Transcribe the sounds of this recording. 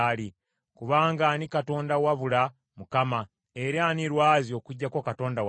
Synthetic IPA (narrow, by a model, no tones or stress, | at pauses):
li | kuβaːŋɡanikato̞ːndawaβula | mukama | eɾaːniɾwaːzio̞ːkuɟːakokato̞ːndaw